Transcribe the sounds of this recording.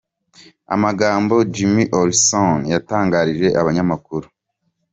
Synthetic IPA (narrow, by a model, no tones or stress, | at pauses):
a̰maɡaːmbo̞d͡ʒimiʔoɾsonjataːŋɡaːɾiʒe̞ʔaβaɲamakuɾu̥